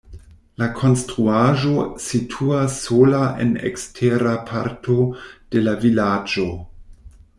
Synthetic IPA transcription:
lakʰo̞nstɾuaʒo̞sitʰuasːolaʔḛnḛkstʰeɾapʰaɾtʰo̞d̥e̞lavilad͡ʒo̞

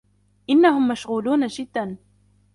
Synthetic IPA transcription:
ʔɪnːahʊmːaʃɣuːluːnaʃɪd̪ːan

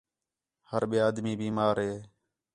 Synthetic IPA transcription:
həɾɓiːaːd̪miːbiːmaːɾɦeː

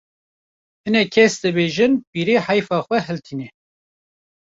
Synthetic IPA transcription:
hɨnɛkʰɛsd̪ɨbeːʒɨnpiːɾeːħajfɑːxʷɛɦɛlt̪ʰiːnɛ

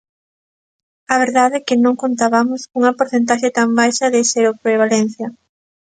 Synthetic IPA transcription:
aβeɾðaðekɪnõŋkont̪aβamʊsuŋɐpoɾθent̪̬aʃet̪ambajʃɐðeseɾopɾeβ̞alen̟θjɐ

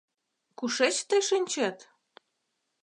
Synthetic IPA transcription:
kuʃet͡ɕt̪əjʃinʲt͡ɕet̪

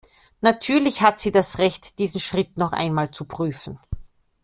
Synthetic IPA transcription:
natʰyːɐlɪçhatz̥iːdasʁɛçtd̥iːzn̩ʃʁ̥ɪtnɔχʔa̰ɪnmaːlt͡supʁ̥yːfn̩

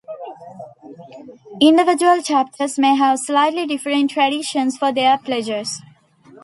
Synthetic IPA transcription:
ɪ̃ɳɖɪʋɪd͡ʒuəlt͡ʃæp̚ʈʰəɾzmeːɦæʋslaɪʈliɖɪfɾə̃ɳʈːɾæɖiʃə̃nsfɔɾd̪eəplɛd͡ʒəɾz̥

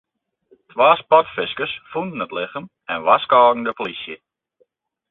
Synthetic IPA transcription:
tʋaːspɔtfɪskəsfundən̩ətlɪχəm | ɛnʋaskɔːɡn̩dəpolisjə

